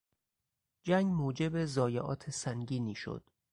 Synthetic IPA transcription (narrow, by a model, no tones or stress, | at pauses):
d͡ʒæŋɡmoːd͡ʒe̞bezɒːjeʔɒ̰ːt̪ʰesæŋɟiːniːʃo̰d̪̥